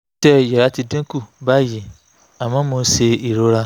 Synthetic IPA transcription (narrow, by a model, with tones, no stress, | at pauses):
tɛ˦˨jɛ˨ɾa˨˦ti˧dẽ˦ku˦˨ba˦˨ji˨ | a˨mãː˨˦mõ˧˦se˧i˨ɾo˨˦ɾa˧